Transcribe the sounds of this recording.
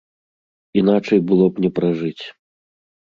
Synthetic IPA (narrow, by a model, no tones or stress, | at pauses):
in̪at͡ʂɐjbɨlˠɔpnʲɛpɾaʐɨt͡sʲ